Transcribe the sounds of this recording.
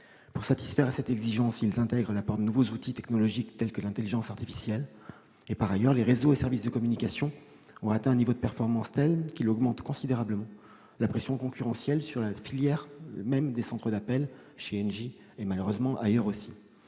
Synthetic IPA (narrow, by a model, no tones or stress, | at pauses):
puʁsat̪i̥sfɛʁasɛt̪ɛɡziʒɑ̃silzɛ̃t̪ɛɡʁəlapɔʁd̪ənuvozut̪it̪ɛknɔlɔʒikt̪ɛlkəlɛ̃t̪eliʒɑ̃saʁt̪ifi̥sjɛl | epaʁajœʁleʁezoesɛʁvisd̪əkɔmynikasjɔ̃ | ɔ̃at̪ɛ̃ɛ̃nivod̪əpɛʁfɔʁmɑ̃st̪ɛlkʲilɔɡmɑ̃t̪kɔ̃sid̪eʁabləmɑ̃ | lapχesjɔ̃kɔ̃kʲyʁɑ̃sjɛlsyʁlafiljɛʁmɛmd̪esɑ̃t̪χəd̪apɛl | ʃeɛnʒi | emaløʁøzmɑ̃ʔajœʁosi̥